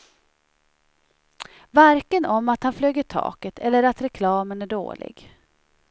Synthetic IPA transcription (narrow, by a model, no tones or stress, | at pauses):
vaɾkənɔmːat̪hanfløːɡəʈʰɑ̰ːkət̪ʰɛ̰lːəɾat̪ɾɛkʰlɑːmənæɖo̰ːlɪ̰ɡ